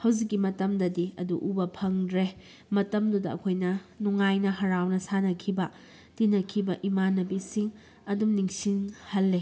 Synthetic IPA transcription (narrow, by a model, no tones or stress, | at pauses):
hɐwd͡ʒikːimɐtɐmdɐdiɐ̰duʔubɐpʰɐŋdɾe | mɐtɐmdudɐɐ̰kʰojnɐnuŋajnɐɦɐɾawnɐsanɐkʰibɐ | tinɐkʰibɐʔimanɐbisiŋ | ɐdumniŋsiŋhɐlːe